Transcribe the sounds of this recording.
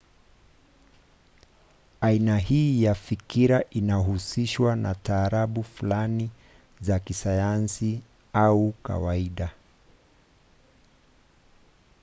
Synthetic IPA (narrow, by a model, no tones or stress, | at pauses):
ainaɦiːjafikiɾaʔinaɦusiʃwana̰taːɾaɓufulani | zakisajansi | auka̰waiɗa